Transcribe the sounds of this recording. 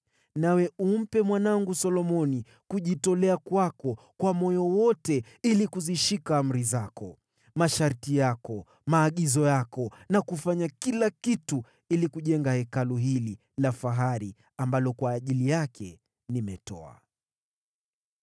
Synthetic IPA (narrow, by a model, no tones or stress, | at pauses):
nawɛum̩pɛmwanaŋɡusɔlɔmɔni | kuʄitɔlɛakwakɔ | kwamɔjɔwɔtɛ | ilikuziʃikaːm̩ɾizakɔ | maʃaɾtijakɔ | maːɠizɔjakɔnakufaɲakilakitu | ilikuʄɛŋɡahɛkaluɦili | lafaɦaɾi | ambalɔkwaːʄilijakʰɛ | nimɛtɔ̰a̰